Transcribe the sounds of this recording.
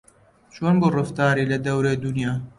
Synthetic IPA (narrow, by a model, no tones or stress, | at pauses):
t͡ʃoːnburɨft̪ɑːɾiːlɐd̪ɐwɾeːd̪unjaː